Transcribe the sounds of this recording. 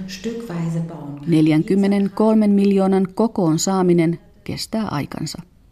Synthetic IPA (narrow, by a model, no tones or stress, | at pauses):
ʃtʏkv̥aɪzəbane̞ljæŋkymːe̞ne̞ŋko̞lme̞mmiljo̞ːnɑŋko̞ko̞ːnsɑːmine̞n | ke̞̰st̪æːʔɑ̰jkɑ̰nsɑ